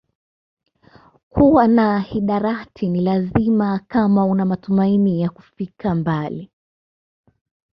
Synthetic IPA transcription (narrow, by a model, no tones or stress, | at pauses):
kʰuwanahiɗaɾatʰinilazimakamaunamatumainijaku̥fikʰambali